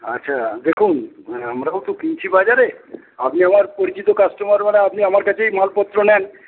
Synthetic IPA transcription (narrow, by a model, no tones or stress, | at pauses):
atːʃʰad̪ekʰunamɾawt̪okint͡ɕʰibad͡ʑaɾe | apniamaɾpoɾit͡ɕit̪okasʈomaɾmaneapniamaɾkat͡ɕʰejmɔɦalpɔt̪ːɾonɛn